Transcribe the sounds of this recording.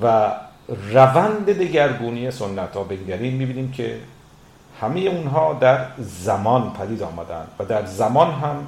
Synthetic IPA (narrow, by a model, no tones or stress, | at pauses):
væ | rævænd̪ed̪eɟæɾɡuːnijesonːæt̪ʰɒːbeŋɟæɾiːnmiːbiːniːmcʰḛ | hæmejeunɦɒːd̪æɾzæmɒːnpʰæd̪iːd̪ɒːmæd̪æ̰nd̪̥væd̪æɾzæmɒːnɦæm